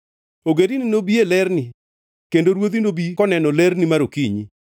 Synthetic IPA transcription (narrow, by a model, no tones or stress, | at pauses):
oɡedinɪnobielɛɾni | kendoɾwod̪inobikɔnɛnɔlɛɾnimaɾokiɲi